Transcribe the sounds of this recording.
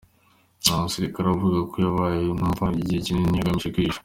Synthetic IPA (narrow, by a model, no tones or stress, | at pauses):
amuseɾikaɾavuɡakojaβajenumvaiɟiheciŋeɲaɡamiʃekiʃ